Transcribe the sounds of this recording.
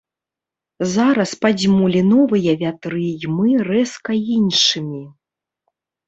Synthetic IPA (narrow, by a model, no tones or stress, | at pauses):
zaɾɐspad͡zʲmulʲinɔvɨjɐvʲat̪ɾɨjmɨrɛskɐinʂɨmʲi